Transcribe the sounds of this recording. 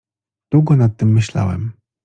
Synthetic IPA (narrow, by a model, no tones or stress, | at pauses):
d̪̥wuɡɔnat̪ːɘmːɘɕla̰wɛ̰m